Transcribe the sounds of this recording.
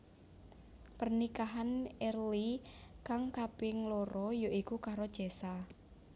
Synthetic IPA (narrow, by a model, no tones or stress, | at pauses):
pərnikaɦanɛrlikaŋkapɪŋloɾɔjoʔikukaɾod̥ʒ̥ɛsa